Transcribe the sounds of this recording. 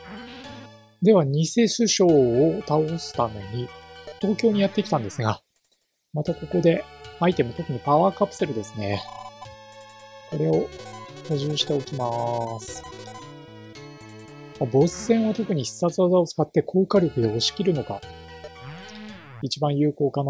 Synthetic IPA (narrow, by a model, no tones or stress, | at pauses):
d̪e̞βaɲ̟ise̞sɨɕo̞ːt̪aosɨ̥t̪ano̞ɲ̟it̪o̞ːkʲo̞ːɲ̟ijat̪ːe̞kʲi̥t̪ãnd̪e̞sɨɡa | mat̪ako̞ko̞d̪e̞ait̪e̞mo̞t̪o̞kɯ̟ɲ̟ipaβaːkapɯ̟̥se̞ɾɯ̟d̪e̞sɨne̞ | ko̞ɾe̞o̞hoʑɨ̃ːɕi̥t̪e̞o̞kʲimasɨ̥ | mabo̞ssẽ̞ɰ̃βat̪o̞kɯ̟ɲ̟içi̥sat͡sɨazao̞t͡sɨ̥kat̪ːe̞kʰo̞ːkaɾʲjo̞kɯ̟d̪eo̞ɕi̥kʲiɾɯ̟no̞ka | it͡ɕibãɰ̃jɯ̟ːko̞ːkana